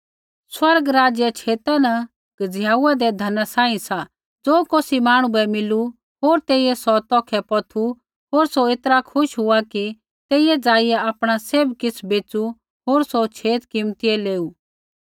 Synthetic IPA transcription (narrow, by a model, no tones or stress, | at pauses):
swɐɾɡɾaːd͡zjɛt͡ʃʰeːt̪anɐ | kd͡zjaːuad̪ɛd̪ʱɐnasãːĩsa | d͡zoːkoːsimaːɽ̃ũbɛmɪlu | ɦoːɾt̪eːijɛsɔt̪ɔːkʰɛpɔt̪ʰu | ɦoːɾsoet̪ɾakʰʊʃɦʊaki | t̪eːijɛd͡zaːijɛaːpɽ̃aseːbkɪt͡sʰbeːt͡su | ɦoːɾsot͡ʃʰeːt̪kɪmt̪iɛleːuː